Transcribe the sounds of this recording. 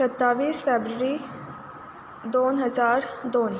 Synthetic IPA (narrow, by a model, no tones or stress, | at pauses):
sət̪ːaːʋiːsfeːbɾəɾi | d̪oːnɦəzaːɾd̪oːn